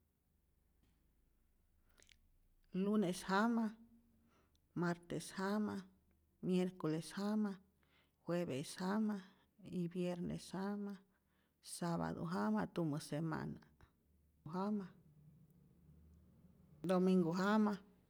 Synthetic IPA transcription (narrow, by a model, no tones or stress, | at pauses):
luneshama | maɾt̪eshama | mjeɾkoleshama | xweβeshama | ibjeɾnḛshama | saβa̰d̪o̰ɦamat̪umɨsema̰na | ɦama | d̪omiŋɡoɦama